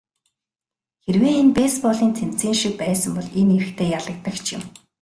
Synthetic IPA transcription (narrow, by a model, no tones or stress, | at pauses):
xerweːenpeːspɔɮiːnt̪ʰem̥t͡siːnʃik̚pæːsə̆mpɔɮeneɾɘ̆xt̪ʰeːjaɮə̆k̚t̪ə̆kt͡ɕʰjɪ̰̆m